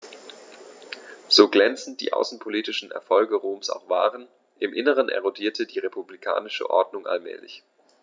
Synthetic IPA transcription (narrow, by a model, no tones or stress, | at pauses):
z̥oːɡlɛnt͡sn̩t̚d̥ḭːʔa̰ʊsn̩pʰoliːtɪʃn̩ɛ̰ɐfɔlɡəʁoːmsa̰ʊxv̥a̰ːʁən | ʔɪmʔɪnəʁ̞ənʔɛ̰ʁodiːɐtʰədiːʁepublikʰa̰ːnɪʃə̰ʔɔ̰ɐdnʊŋʔa̰lmɛ̰ːlɪ̰ç